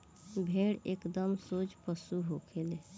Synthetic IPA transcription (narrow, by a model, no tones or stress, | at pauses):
bʱeɽekd̪əmsod͡ʒpəsuɦokʰele